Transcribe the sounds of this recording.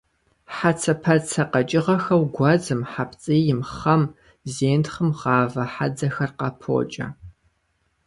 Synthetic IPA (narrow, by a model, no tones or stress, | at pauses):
ħat͡sʰɐpʰɐt͡sʰɐqɐt͡ʃʼɪʁɐxɐwɡʷɑzɨmħapt͡sʼijɪmχɐm | zeːntχəmʁɑːvɐħad͡zɐxɐrqɑpʰo̰ːt͡ʃʼɐ̰